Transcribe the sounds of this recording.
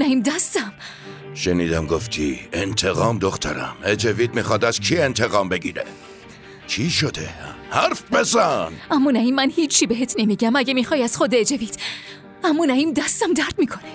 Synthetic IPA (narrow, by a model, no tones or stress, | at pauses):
næimd̪æst̪æm | ʃeniːd̪æmɡoft̪ʰḭːent̪ʰeɣɒːmd̪oxt̪ʰæ̰ɾæ̰med͡ʒeviːd̪̚mixɒːd̪æzkʰient̪ʰeɣɒːmbe̞ɡiːɾḛ | t͡ʃʰiʃod̪ḛhæɾfbezænæmːuːnæiːmːænhiːt͡ʃʰːibeɦet̪ʰnemiːɟæmæɟemiːxɒːjæz̥xod̪eed͡ʒevid̪̥ | æmːuːnæiːmd̪æst̪æmd̪æɾd̪̥miːkʰone